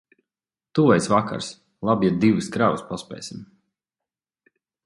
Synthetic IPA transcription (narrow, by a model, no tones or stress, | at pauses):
t̪uvajsvaka̰ɾs | lˠabjɛd̪̚d̪ivɨskɾavuspaspʲɛ̰jsʲim